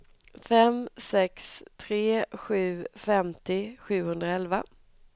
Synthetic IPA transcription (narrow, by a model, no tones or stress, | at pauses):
fɛmsɛkst̪ʰɾeːɧʉ̟ːfɛmt̪ɪɧʉ̟ːhɵnd̪ɾaɛlva